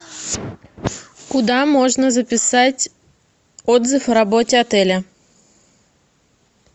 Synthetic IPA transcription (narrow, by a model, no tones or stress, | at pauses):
kʊd̪amoʐnəzəpʲɪsatʲ | ɔd̪zɨfɾɐbotʲɪɐt̪ɛlʲɐ